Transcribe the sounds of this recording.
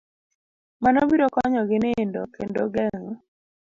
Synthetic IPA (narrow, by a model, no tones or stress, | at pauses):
manɔbiɾɔkɔɲɔɡɪneendo̰kendoɡɛŋɔ